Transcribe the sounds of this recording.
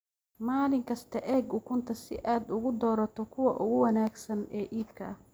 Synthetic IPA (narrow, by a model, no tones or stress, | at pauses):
maːlɪŋkʰɐst̪ʰɐʔɛːɡʊkʰʊnt̪ʰɐsɪ̰ʔaːd̪ʊɣʊd̪ɔːɾɐt̪ʰɔkʰʊwɐʔʊɣʊwɐnaːɡsɐnɛːʔiːb̚kʰɐɐh